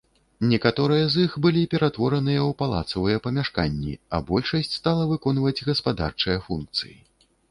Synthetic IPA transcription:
nʲɛkat̪ɔɾɨjɐzixbɨlʲipʲɛɾat̪vɔɾɐnɨjɐwpalˠa̰t̪sɐvɨjɐpɐmʲaʂka̰nʲːḭɐ̰bɔlʲʂɐsʲt͡sʲst̪alˠɐvɨkɔnvɐd͡zʲɣɐspad̪a̰rt͡ʂɨjɛfunk̚t̪sɨji

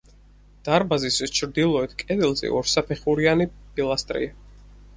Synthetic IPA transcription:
d̪̥aɾbazisist͡ʃʰɾd̪ilˠɔɛt̪ʰkʼɛd̪ilzɛ̰ʔɔɾsapʰɛχuɾianipʰʼilˠast̪ʼɾḭa

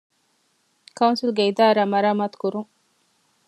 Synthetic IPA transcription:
kɐunsilɡeid̪aːɾaːmɐɾaːmaːt̪u̥kuɾuŋ

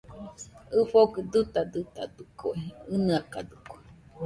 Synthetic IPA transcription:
ɨɸokɨd̪ɨt̪ad̪ɨt̪a̰d̪ukʰoeɨnɨaka̰d̪ɨkoe

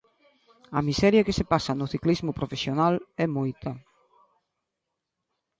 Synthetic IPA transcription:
ɐmisɛɾjakɪsepasɐnʊθiklizmʊpɾofesjonalɛmojt̪ɐ

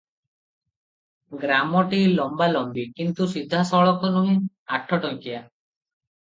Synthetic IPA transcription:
ɡɾamɔʈilɔmbalɔmbikint̪usid̪ʱːasɔɭɔkɔnuɦĩ | aʈʰɔʈɔŋkia

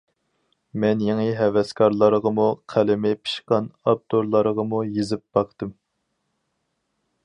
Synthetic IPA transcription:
mɛnjeŋɨɦɛvɛskʰɑɾlˠɑɾəʁəmuqʰælɪmɪpʰɨ̥ʃqɑnɑb̚t̪oɾlˠɑɾəʁɑmujezɪp̚b̥ɑqʰt̪ɨm

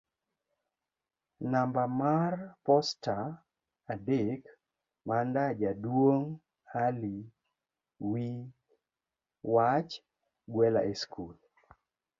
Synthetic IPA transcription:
nambamarpɔstaː | dɪk | mandad͡ʒadwoŋ | ali | wi | wat͡ʃ | ɡwɛla̰ʔeskul

